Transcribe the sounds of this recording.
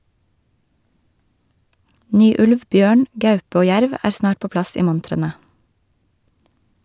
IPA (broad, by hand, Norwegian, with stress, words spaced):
ˈnyː ˈʉlʋ ˈbjøːɳ ˈɡɑʉp ˈoː ˈjæɾʋ ˈæːɾ ˈsnɑːʈ ˈpoː ˈplɑs ˈiː ˈmʊntɾənə